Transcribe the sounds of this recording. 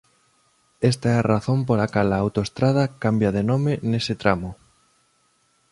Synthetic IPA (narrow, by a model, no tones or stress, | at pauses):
est̪aɛaraθomp̬olakalaːwt̪oest̪ɾaðɐkambjað̞enomenesɪt̪ɾamʊ